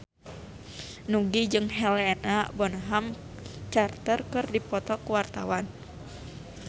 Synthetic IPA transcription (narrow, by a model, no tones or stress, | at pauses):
nuɡid͡ʒɨŋɦɛlɛnabɔnɦam | t͡ʃart̪ərkɨrdipɔt̪ɔkuwart̪awan